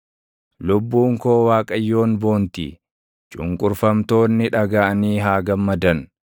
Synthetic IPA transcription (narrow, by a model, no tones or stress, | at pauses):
lʊbːuːŋko̞ːwaːkʼɐjːo̞ːnbo̞ːnt̪ḭː | t͡ʃʼʊŋkʼʊɾfɐmt̪o̞ːnːɪᶑɐɡaʔɐniːɦaːɡɐmːɐd̪ɐn